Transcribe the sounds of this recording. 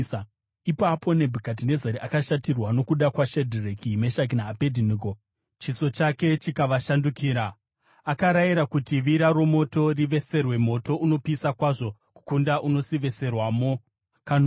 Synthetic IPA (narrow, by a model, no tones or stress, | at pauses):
ipapʰo̞ne̞bʱikat̬ine̞zeɾeʔakaʃatirwano̞kuɗakwaʃedʱirekimeʃak̬inaːpedʱiniko | t͡ʃiso̞t͡ʃake̞t͡ʃikaʋaʃandukiːɾaː | kaɾajiɾakutiʋiɾaɾo̞mo̞to̞riʋe̞se̞rwe̞mo̞to̞ʔuno̞pisakwaʐo̞ku̥kundaʔuno̞siʋe̞se̞rwaːmo | kan